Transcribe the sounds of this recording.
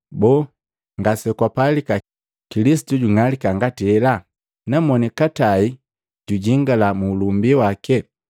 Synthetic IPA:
bɔ | ŋɡasɛkwapalika | kilisi̥tuɟuŋalikaŋɡatihɛla | namɔnikatai | ɟuɟiŋɡalamuːlumbiwakɛ

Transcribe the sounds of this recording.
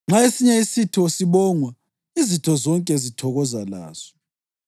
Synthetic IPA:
ŋ͡ǁʱaesiɲɛisitʰɔsiβɔŋwa | izitʰɔzɔŋkʼɛzitʰɔɣɔzala̰ːz̥ɔ̥

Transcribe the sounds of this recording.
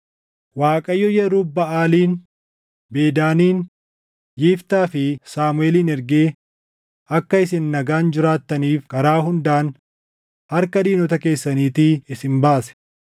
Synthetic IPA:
waːkʼɐjːɔjɛɾuːbɐaːliːn | be̞ːd̪aːniːn | jiːft̪aːfɪsaːmʊeːliːnɛɾɡeː | ɐkːɐɪsɪnːɐɡaːnd͡ʒɪɾaːt̪ːɐniːfkɐɾaːɦʊnd̪aːn | hɐɾkɐd̪iːnɔt̪ɐke̞ːsːɐniːt̪ɪɪsɪnbaːsɛ̥

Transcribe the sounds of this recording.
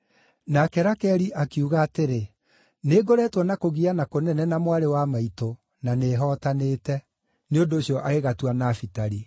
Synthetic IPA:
nakɛɾakɛɾiʔakiuɣaːteɾe | neɡoɾɛtwɔnakoɣianakonɛnɛnamwaɾewamaito | naneːɦɔtaneːtɛ | neondoːɕiɔʔaɣeɣatwanafitaɾi

